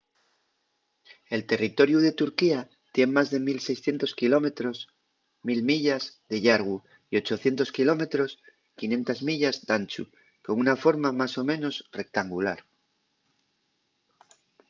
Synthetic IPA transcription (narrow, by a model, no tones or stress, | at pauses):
e̞lt̪e̞rit̪o̞ɾjuðe̞t̪uɾkia | t̪je̞ŋmazðe̞milse̞jsθje̞nt̪o̞skilo̞me̞t̪ɾo̞s | milmiʎazðe̞ʝaɾɣu | io̞t͡ʃo̞θje̞nt̪o̞skilo̞me̞t̪ɾo̞s | kinje̞nt̪azmiʎazd̪ant͡ʃṵ | koŋunafo̞ɾmamaso̞mẽ̞no̞sre̞k̚t̪aŋɡula̰ɾ